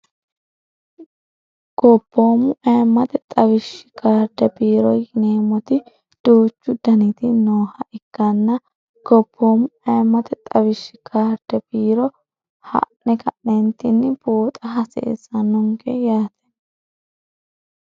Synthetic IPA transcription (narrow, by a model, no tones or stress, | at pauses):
ɡ̥ɔb̥ːoːmʊɐːmːɐt̪ɛt̪ʼɐβɪʃːɪ̥kʰaːɾd̪ɛbiːɾɔjhɪneːmːɔt̪ɪ | d̪̥uːt͡ʃːʊd̪ɐnɪt̪ɪnoːhɐʔɪkːɐnːɐ | ɡ̥ɔb̥ːoːmʊɐmːɐt̪ɛt̪ʼɐwɪʃːɪkʰaːɾd̪ɛbiːɾɔ | hɐ̰ʔnɛkʰɐʔnɛnt̪ɪnːɪboːt̪ʼɐɦɐsḛːsɐnʊŋɡɛjaːt̪ɛ̥